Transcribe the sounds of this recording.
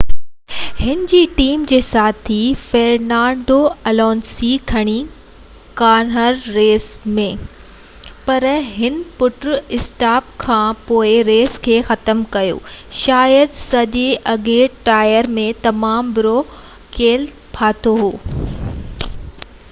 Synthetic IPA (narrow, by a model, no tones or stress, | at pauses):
hɪnɪd͡ʑiːʈiːmd͡ʑeːsaːt̪ʰifeɾnãːɳɖoɐlɔːnsikʰɐɽ̃i | kaːnɦəɾːeːsmẽ | pɐɾɦɪnpʊʈɾɪsʈaːp̚kʰãːpoːɪɾeːskʰeːxɐt̪əmkɐjo̰ːʃaːjəd̪sɐʄeʔɐɡeːʈʈaːjəɾmẽt̪ɐmaːmbɪɾo | keːl | pʰaːt̪ʰoɦoː